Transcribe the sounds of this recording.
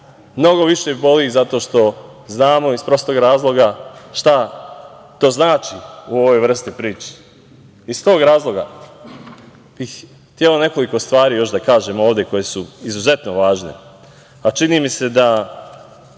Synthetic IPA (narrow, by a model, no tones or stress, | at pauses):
mno̞ɡo̞ʋiʃe̞bo̞lizat̪oːʃt̪o̞ | znaːmo̞ispɾo̞st̪oɡɾaːzlˠo̞ɡaʃt̪a | t̪o̞ːznaːt͡ʃiuo̞ʋo̞jʋr̩st̪ipɾiːt͡ʃe̥ | ist̪o̞ːɡɾaːzlˠo̞ɡa̰ | b̥ix | t̪jelo̞ne̞ko̞liko̞st̪ʋaːɾijo̞ʃd̪akaːʒe̞mo̞ːʋd̪je̞ko̞je̞suizuze̞t̪noʋaːʒne̞̰ | at͡ʃinimise̞d̪a